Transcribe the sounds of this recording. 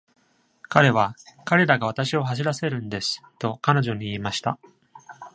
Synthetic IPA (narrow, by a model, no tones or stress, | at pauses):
kaɾe̞β̞akaɾe̞ɾaɡaβ̞at̪aɕio̞ɦaɕ̬iɾase̞ɾɯ̟̃nd̪e̞sɨ̥t̪o̞kano̞ʑo̞ɲ̟iːmaɕi̥t̪a̰